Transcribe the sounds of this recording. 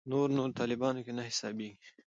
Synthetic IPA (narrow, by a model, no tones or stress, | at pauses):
noɾnoɾt̪ɑlɪbɑnokenahɪsɑbeɡi